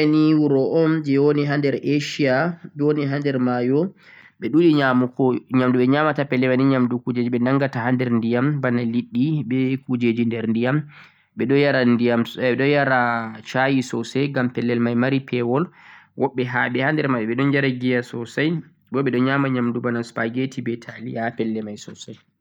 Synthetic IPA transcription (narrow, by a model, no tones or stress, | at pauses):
aniwuɾɔʔɔmd͡ʒɛwoniɦandɛɾeʃiad͡ʒoniɦandɛɾmajɔ | ɓɛɗuliɲamukɔɲamduɓɛɲamatapɛlːɛmaniɲamdukud͡ʒed͡ʒiɓɛnaŋɡatahandɛɾndijambanaliɗːiɓɛkud͡ʒed͡ʒindɛɾndijam | ɓɛɗɔjaɾandijamɛɛɗɔjaɾat͡ʃajisɔsɛŋɡampɛlːɛlmajmaɾipʰɛwɔlwʔɔɓːɛɦaɓɛhandɛɾmajɔɓɛɗɔnd͡ʒaɾaɡijasɔsaj | bɔɓɛɗɔɲaːmaɲamdubanaspaɡetibɛtʰalihapɛlːɛmajsɔsaj